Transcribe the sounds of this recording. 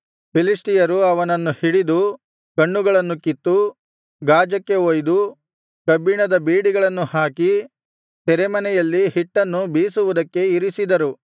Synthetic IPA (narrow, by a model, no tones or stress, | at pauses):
pilisʈijɐɾuɐʋɐnɐnːuhiɽid̪u | kɐɳːuɡɐɭɐnːukit̪ːu | ɡaːd͡ʒɐkːe̞oːjd̪u | kɐbiɳɐd̪ɐbiːɽiɡɐɭɐnːuhaːki | t̪ɛɾemɐnɛjɐlːihiʈːɐnːubiːsuʋud̪ɐkːe̞iɾisid̪ɐɾu